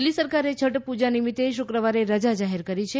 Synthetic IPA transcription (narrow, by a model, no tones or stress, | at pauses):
lːisəɾkaɾet͡ʃʰəʈpud͡ʒanimit̪ːeʃʊkɾəʋaɾeɾəd͡ʒad͡ʒaɦeɾkəɾit͡ʃʰe